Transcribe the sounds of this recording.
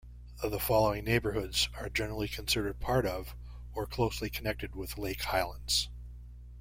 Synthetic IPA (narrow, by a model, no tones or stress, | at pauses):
ðəfɑlˠoʊɪ̃ŋneɪbə˞hʊdzə˞d͡ʒɛnə˞l̩ˠikʰɨ̃nsɪɾə˞d̚pʰɑɹɾʌv | ə˞kʰl̥oʊslikʰənɛk̚tɨd̚wɪðleɪkhaɪlˠə̃ndz̥